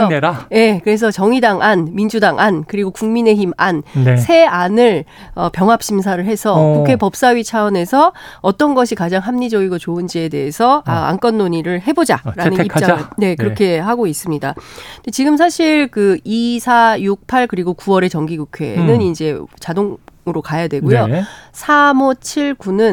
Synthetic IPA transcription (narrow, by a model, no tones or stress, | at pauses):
je̞kɯɾe̞s̬ʰʌt͡ɕʌŋidaŋʔanmind͡ʑudaŋʔankɯɾiɡokuŋmine̞çimansʰe̞anɯɭʌpjʌŋɦap̚ɕ͈ʰims̬ʰaɾɯɭɦe̞sʰʌkukʰe̞pʌp̚s͈aɥit͡ɕʰaʌne̞sʰʌʌt͈ʌnɡʌɕʰikad͡ʑaŋɦamɲid͡ʑʌɡiɡot͡ɕoɯnd͡ʑie̞de̞esʰʌaa̰nk͈ʌnːoɲiɾɯɭɦe̞bod͡ʑaɾanɯnit͡ɕaŋɯɭne̞kɯɾʌkʰe̞ɦaɡois͈ɯmɲidadet͡ɕiɡɯmsʰaɕʰiɭkɯisʰajuk̚pʰaɭkɯɾiɡokuwʌɾe̞t͡ɕʌŋɡiɡukʰwe̞̰nɯnind͡ʑe̞t͡ɕadoŋɯɾokajadwe̞ɡojosʰamot͡ɕʰiɭɡunɯn